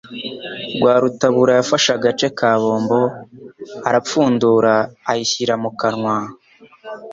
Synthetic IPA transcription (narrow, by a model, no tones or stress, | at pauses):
ɡwaːɾutaβuːɾajafaʃaɡat͡ʃe̞kʰaːβo̞ːmbo̞ | aɾap͡fuːnduɾaːhiçiɾamukaɾŋwa